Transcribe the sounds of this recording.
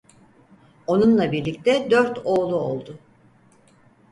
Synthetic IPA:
o̞nunlˠabiɾlʲic̚t̪ʰɛd̪øɾt̪ʰo̞ːlˠuo̞̰lˠd̪ʊ

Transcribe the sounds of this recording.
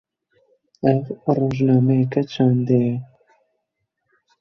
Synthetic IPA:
ɛvroːʒnɑːmɛjɛkɛt͡ʃʰaːnd̪ejɛ

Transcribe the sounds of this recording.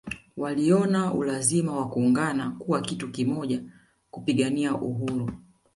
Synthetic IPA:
waliɔnaṵlazimawakuːŋɡanakuwakitukimɔʄa | kupiɠaniaʔuɦuɾu

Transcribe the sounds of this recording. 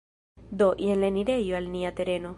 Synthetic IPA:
d̪oʔienleniɾejoalniat̪eɾeno

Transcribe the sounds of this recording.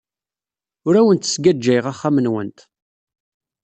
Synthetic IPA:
ʊɾæwənt̪ə̥sɡæd͡ʒːæjʁaχːamənwə̰nt̪

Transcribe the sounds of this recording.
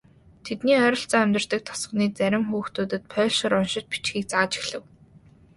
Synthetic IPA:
t̪ʰet̪niːœɾʲɞ̆ɬt͡sɔːæmʲt̪ə̆r̥t̪ə̆k̚t̪ʰɔ̥sə̆χniːt͡sæɾʲɪ̆mxuːxt̪uːt̪ɘ̆t̪̚pʰœːɮʃɪ̆ɾʊnʃɪ̆t͡ɕ̚pi̥t͡ɕxiːk̚t͡saːt͡ɕi̥xɮɘ̆w

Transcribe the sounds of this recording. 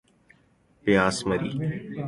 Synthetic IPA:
pɪjaːsməɾḭː

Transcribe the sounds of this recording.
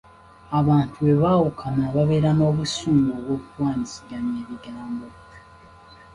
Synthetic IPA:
aβaːntue̞βaːwukʰanaβaβe̞ːɾano̞ːβusuːmɡoːβwo̞ːkuɾwaːnisiɡaɲeːβiɡaːmbo

